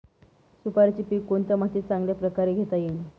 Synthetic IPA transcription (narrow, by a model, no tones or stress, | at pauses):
supaɾt͡ɕiːpiːkːoɳt̪amat̪iːt̪t͡sãŋɡljapɾəkaɾeɡʱet̪ajeli